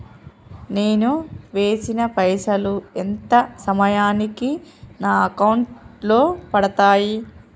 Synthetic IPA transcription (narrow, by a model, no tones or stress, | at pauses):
ne̞ːnuʋe̞ːsinɐpɐjsɐluent̪ɐsɐmɐjaːnikinaːɐkɐwɳʈlo̞ːpɐɽɐt̪aːji